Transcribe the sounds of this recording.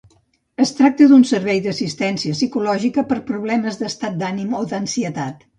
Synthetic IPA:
əst̪ɾak̚t̪əðunsəɾβ̞ɛjðəsist̪ɛnsiəsikulɔʒikəpəɾpɾuβlɛməzðəst̪at̪̚d̪animod̪ənsiət̪at̪

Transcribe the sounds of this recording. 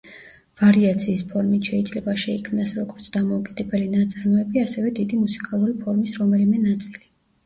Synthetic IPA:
v̥aɾiat̪sʰiːspʰɔɾmit̪ʰʃɛid̪zlɛbaʃɛikʰmnasɾɔɡɔɾt̪sʰd̪amɔukʼid̪ɛbɛlinat̪sʼaɾmɔɛbiasɛvɛd̪id̪imusi̥kʼalˠuɾipʰɔɾmisɾɔmɛlimɛnat̪sʼili

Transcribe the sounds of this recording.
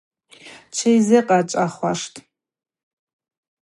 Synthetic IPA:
t͡ʃʰejzɨqʼat͡ʃʷʼaχʷaʂtʰʼ

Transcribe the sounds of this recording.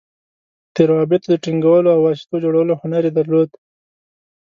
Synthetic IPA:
t̪eɾawɑbɪt̪d̪əʈiŋɡawəloawɑsɪ̥t̪od͡ʒoɽawəlohʊnaɾed̪aɾlod̪

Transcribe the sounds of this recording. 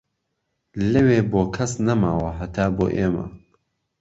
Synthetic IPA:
lɐweːboːkʰɐsnɐmaːwɐɦɐt̪ʰaːbo̰ːʔeːmɐ̰

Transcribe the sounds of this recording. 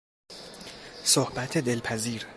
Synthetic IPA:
sohbæt̪ʰed̪e̞lpʰæziːɾ

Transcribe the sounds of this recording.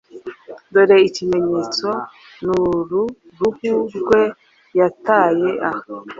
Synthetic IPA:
doɾeicime̞ɲet͡so̞ | nuɾu | ɾuɡuɾɡwe̞ | jataje̞ʔah

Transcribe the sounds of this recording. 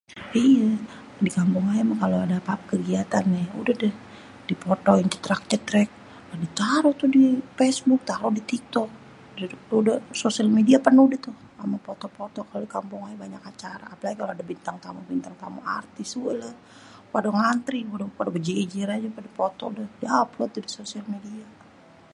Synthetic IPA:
ija | dikampʊŋajamakaloadapap̚kəɡiat̪anːɛṵdədəh | d̥ipɔt̪ɔiŋt̪ut̪ɾak̚t͡ʃ̪ət̪ɾɛk̚ | adit̪aɾot̪udifɛsbʊk̚t̪aɾɔdit̪ik̚t̪ɔk̚ | dtdəsosialmediapənuhdɛt̪uh | amapɔt̪ɔpɔt̪ɔkalodikampʊŋajabaɲakat͡ʃaɾa̰ːpalaɡikaloadabint̪aŋt̪amubint̪aŋt̪amṵa̰rt̪isuələ | padɔŋant̪ɾiudapadabəd͡ʒed͡ʒiɾad͡ʒapadapot̪ɔ̰dəhdiaaplot̪udisosialmedia

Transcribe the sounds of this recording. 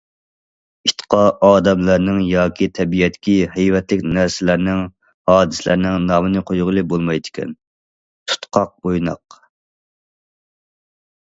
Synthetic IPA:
it̪ʰqʰɑɑːd̪ɛmlæɾnɪŋjɑːkʲʰit̪ʰɛbijɛt̪ɪkʲʰihɛjwɛt̪lɪkʲnæɾsɪlæɾnɪŋ | hɑːd̪ɨslæ̰ɾnɪŋnɑːmɨnɨqʰojʁlˠɨbolˠmɑjd̪ɪkʲɛ̰n | t̪ʰu̥t̪qʰɑq̚bojnɑ̰q

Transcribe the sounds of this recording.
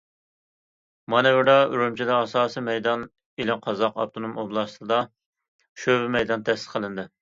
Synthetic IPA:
mɑnɛbɪɾɑyɾumt͡ʃʰid̪ɛɑsɑːsimɛjd̪ɑn | elɪmqʰɑzɑqɑ̰p̚t̪ʰonomoblˠɑst̪ɨd̪ɑ | ʃøbɪmɛjd̪ɑnt̪ʰɛsɨ̥qʰəlˠɨnd̪ɨ

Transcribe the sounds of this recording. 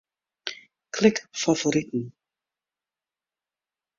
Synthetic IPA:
kʰlɪkfavoɾit̪n̩

